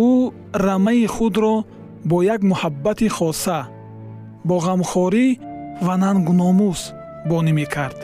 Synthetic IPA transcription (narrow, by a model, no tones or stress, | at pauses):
u | ɾamaiχud̪ɾɔ | bɔjaɡmuhabːat̪iχɔsa | bɔʁamχɔɾivananɡunɔmus | bɔnime̞kʰaɾd̪̥